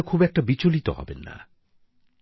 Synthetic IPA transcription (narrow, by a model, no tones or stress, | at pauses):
kʰubɛk̚ʈabit͡ɕolit̪ɔ̰ɦɔ̰bḛnːa̰